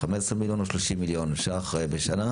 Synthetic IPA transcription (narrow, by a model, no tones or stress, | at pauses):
amesʁemiljonoʃloʃimːiljonʃaːχaʁebeʃana